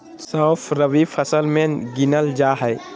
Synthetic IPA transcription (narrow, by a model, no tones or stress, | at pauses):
səpʰɾəʋifʰəsəlmẽɡɪnəld͡ʒaːɦɛj